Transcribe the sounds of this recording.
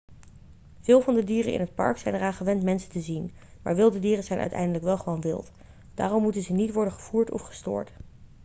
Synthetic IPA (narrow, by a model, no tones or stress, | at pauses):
v̥ɪːlˠvɑndədiːrənɪ̰nɦət̚pɑ̰ɹksɛjnəraːnχəʋɛntmɛnsəntəzin | ma̰ːɹʋɪlˠdədiːrənzɛjnʔœ̰ɥtɛ̰jndələkʋɛlˠχəʋownʋɪ̰lˠt | d̥a̰ːrɔmːutənzənitʋɔɹdənχəv̥uːɹtɔ̰fχə̥stʊ̰ːɹt